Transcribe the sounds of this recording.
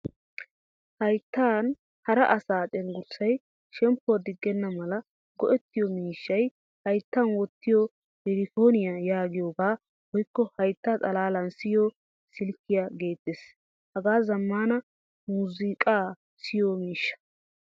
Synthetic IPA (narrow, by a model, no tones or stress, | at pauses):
hɐjt̪ːaːn | hɐɾɐʔɐsaːt͡sʼɛnɡʊɾsɐj | ʃɛmpːʊwɐd̪ɪɡːɛnːɐmɐlɐ | ɡɔʔɛt̪ːɪjɔmiːʃːɐj | hɐjt̪ːɐnwɔt̪ːɪjo | jɛɾɪfo̞ːnɪjajaːɡɪjoːɡaː | wɔjkːɔhɐjt̪ːat̪ʼɐlaːlɐnsɪjoː | sɪlkːɪjaɡe̞ːt̪ːeːs | hɐɡaːzɐmːaːnɐ | muːzɪkʼaː | sɪjoːmiːʃːɐ̥